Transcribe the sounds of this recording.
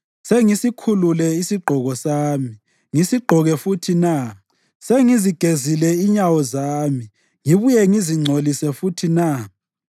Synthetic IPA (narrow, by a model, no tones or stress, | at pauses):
seŋisikʰululɛisiɡ͡ǃʱɔɣɔsaːmi | ŋisiɡ͡ǃʱɔɣɛfutʰina | seŋiziɡ̥ʱezilɛiɲawɔzaːmi | ŋiβujɛŋiziŋ͡ǀʱolisɛfutʰina